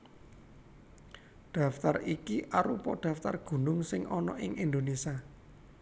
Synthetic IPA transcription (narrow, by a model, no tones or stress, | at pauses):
d̪̥a̤ft̪arikiʔaɾupɔd̪̥ä̤ft̪arɡ̥ṳnʊŋsɪŋʔɔnɔʔɪŋʔind̪onesia